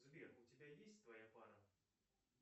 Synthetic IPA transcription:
zʲbʲɛxut͡sʲabʲajesʲtʲt̪vɐjapaɾɐ

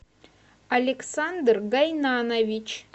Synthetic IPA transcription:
alʲeksand̪rɡajnanovʲit͡ʃ

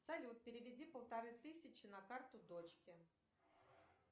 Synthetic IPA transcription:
sɐlʲut̪̚pʲɪɾʲɪvʲɪdʲipəlˠt̪ɐɾɨt̪ɨsʲɪt͡ɕɪnɐkart̪ʊd̪ot͡ɕkʲɪ

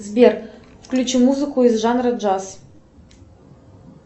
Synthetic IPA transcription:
zbʲerfklʲut͡ɕimuzɨkuizʐanɾəd͡ʒas

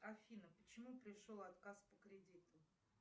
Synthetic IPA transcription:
ɐfʲinəpət͡ɕɪmupɾʲɪʂolˠat̪kaspəkɾʲɪdʲit̪ʊ

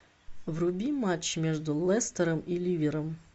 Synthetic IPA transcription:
wrʊbʲimat͡ʃːmʲiʒd̪ʊlˠɛst̪ɐɾɐmilʲiʋʲiɾɐm

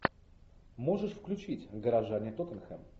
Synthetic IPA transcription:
mo̞ʐɨʂfklʲʉt͡ɕitʲɡəɾaʐanʲɪjət̪ot̪ənxɛm

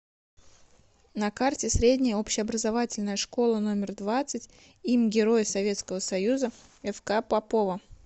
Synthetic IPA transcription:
nɐkartʲɪsɾʲedʲnʲɪjəopɕɪɐbɾəzɐvatʲɪlʲnəjəʂko̞lˠəno̞mʲɪrd̪vat̪sɨtʲ | imʲɡʲɪɾo̞jɪsɐvʲe̞t̪skəvəsɐjuzə | ɛfkapɐpovə

